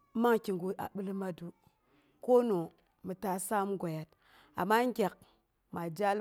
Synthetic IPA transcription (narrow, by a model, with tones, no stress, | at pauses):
ma˦ŋki˨ŋɡu˨a̰˨ɓu˦lma˦du˦ | ko˦no˨ | mi˨ta˦sa˦m˦ɡo˨ja˨t̚ | a̰˨mːa˦ŋ˦ɡʲa˨k̚ | ma˨d͡ʒa˦l